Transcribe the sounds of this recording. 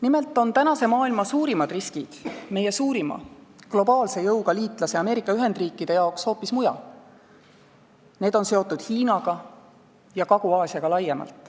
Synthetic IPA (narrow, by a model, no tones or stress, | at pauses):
nime̞lt̪ːˑo̞nt̪ænɑse̞mɑːilmɑsuːɾimɑd̪riskid̪̥me̞je̞suːɾimɑ̰ɡ̥lo̞bɑːlse̞jɤwɡ̥ɑliːt̪ˑlɑseɑme̞ːɾikːˑɑyɦe̞nd̪̥riːkːˑid̪̥e̞jɑoksho̞ːpːismujɑ̰ | ne̞ːd̪̥o̞nse̞o̞t̪ːˑud̪̥hiːnɑɡ̥ɑ | jɑkɑɡ̥uɑːsiɑɡ̥ɑlɑjːemɑ̰lt̪ˑ